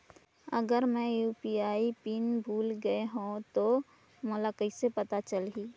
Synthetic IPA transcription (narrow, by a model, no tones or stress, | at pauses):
əɡəɾmɛ̃juːpiaːipinbʱuːlɡəeɦũt̪o | mʊlakəisepɐt̪at͡ʃəlɦiː